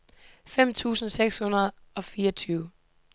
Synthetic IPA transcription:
fem̰t͡sʰṵːsn̩seɡ̥shunɐð̞ˠɒ̽fiːɐɒt͡sʰyːʊ

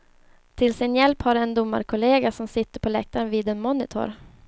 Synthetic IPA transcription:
t̪ʰɪlsɪnjɛlphaɾɛnd̪ʊmːa̰ɾkʰʊleːɡasɔmsɪt̪ːəɾpʰɔlɛk̚t̪ʰaɾənviːd̪ɛnmɔnɪt̪ʰʊ̰ɾ

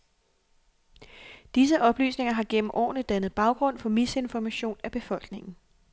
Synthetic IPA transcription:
d̥is̬əʔɒ̽b̥ly̰ːsne̝ŋɐɦɑ̈ɡ̥en̰m̩ʔɒ̰ːnəd̥ænəð̞̩ˠb̥ɑ̈ʊɡ̥ʁɔ̽n̰fɒ̽mise̝nfɒmæɕo̝̰ːnæb̥e̝fɒ̽l̰ɡ̥ne̝ŋn̩

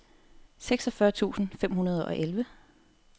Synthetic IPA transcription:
seɡ̥sɒfɶɐt͡sʰṵːsn̩fem̰ɦunɐð̞ˠʔɒ̽ʔelʋə

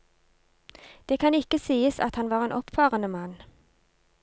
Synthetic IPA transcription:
d̪̥eːkʰɑnɪkəsiːəsɑ̰t̪hɑnʋɑːʁeːnʔɔpfɑːʁənəmɑn

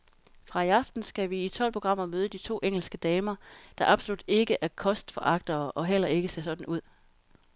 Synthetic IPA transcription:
fʁɑ̈iɑ̈fd̥n̩sɡ̥æʋiːt͡sʰɒ̽l̰pʰo̝ɡ̥ʁɑ̈m̰ɐmøːð̞ˠəd̥it͡sʰo̝̰ːʔeŋ̰l̩sɡ̥əd̥ɛːmɐd̥ɑ̈ʔɑ̈b̥solud̥e̝ɡ̥əʔæɐkʰɒ̽sd̥fɒ̽ʔɑ̈ɡ̥̚d̥ɐːʔɒ̽ɦel̰ɐe̝ɡ̥əse̝̰ɐsɒ̽d̥n̩uð̰ˠ

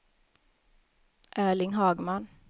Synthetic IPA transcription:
ʔæːɭɪŋɦɑːɡman

